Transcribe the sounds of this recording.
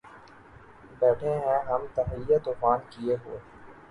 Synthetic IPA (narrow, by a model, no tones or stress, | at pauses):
bɛːʈʰeɦɛ̃ɦɐmt̪ɐfɪjːat̪oːfaːnkieɦo̰ːeː